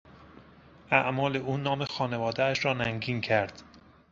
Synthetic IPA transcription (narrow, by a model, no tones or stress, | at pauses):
ʔæʔmɒːle̞ʔuːnɒːmexɒːne̞vɒːd̪eæʃɾɒːnæŋɡiːncʰæɾd̪̥